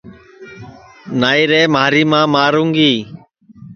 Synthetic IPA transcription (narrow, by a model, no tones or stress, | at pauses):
naːiːɾeːmaːɾiːmãːmaːɾũːŋɡiː